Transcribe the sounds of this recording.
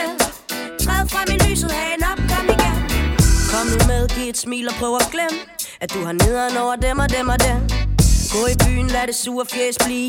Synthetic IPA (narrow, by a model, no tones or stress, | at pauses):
t͡sʰʁɛðˠfʁɑ̈minly̰ːsəð̩ˠhɛɪnɒ̽b̥̚kʰɒmiɡ̥enkʰɒ̽mdumeð̞ˠɡ̥ied̥smḭːlɒpʰʁœːʊɒɡ̥lemə | æd̥̚d̥uhɑ̈ne̝ðˠɐnɒʊɐd̥emɒ̽d̥emɒ̽d̥emɡ̥ɔ̽ːib̥y̰ːn̩læɾesuːɐfjeːsb̥liː